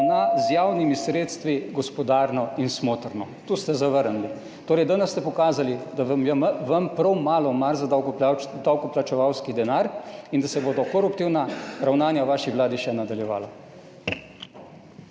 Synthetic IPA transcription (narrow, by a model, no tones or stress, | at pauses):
nazjaːwnimisɾeːt̪st̪ʋiɡɔspɔd̪aːɾnɔinsmoːt̪ɾnɔt̪uːst̪ɛzaʋəɾnli | t̪oːɾɛjd̪ənɛst̪ɛpɔkaːzalid̪amjɛʋɐmpɾɔwmaːlɔmaɾzad̪awkɔplat͡ʃɛʋawskid̪ɛnaːɾind̪asɛboːd̪ɔkɔɾupt̪iwnaɾawnaːnjaɔʋaːʃiʋlaːd̪iʃɛnad̪aljɛʋa̰ːla